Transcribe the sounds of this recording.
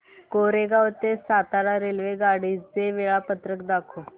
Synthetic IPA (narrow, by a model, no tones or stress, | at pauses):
koɾeɡaʋət̪esat̪aɾaɾelʋeɡaɽid͡zd͡zeʋeɭapət̪ɾəkd̪akʰo